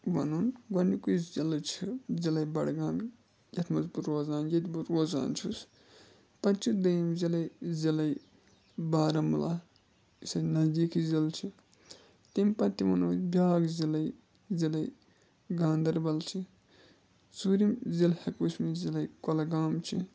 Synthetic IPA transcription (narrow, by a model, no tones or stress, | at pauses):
ʋɐ̰nunɡɐnikuszilt͡ʃʰizilɐjbɐɽɡaːm | jɐt̪ʰmɐzbuɾoːzaːnjɐt̪ʲbuɾoːza̰ːnt͡ʃʰus | pɐnt͡ʃud̪ɐjimzilɐjzilɐj | baːɾɐmula̰ | isɐnɐzd̪iːkʰizilt͡ʃʰi | t̪impɐt̪imɐnoːbʲjaːɡzilɐj | zilɐj | ɡaːnd̪ɐɾbɐlt͡ʃʰi | suːɾimzilhɐkusmizilɐjkɐlɐɡaːmt͡ʃʰi